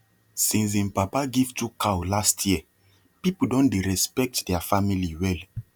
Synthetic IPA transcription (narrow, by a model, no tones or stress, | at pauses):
sĩns̬ĩmpapaɡivtukʰawlastʰjiɛ | pipuldɔ̃ndeɹɛspɛk̚tdɛafamiliwɛl